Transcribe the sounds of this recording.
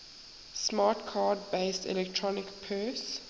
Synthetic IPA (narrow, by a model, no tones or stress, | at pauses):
smaːtkʰaːdbeɪstɛ̰lɛk̚tʰɹɔnɪkpʰɜs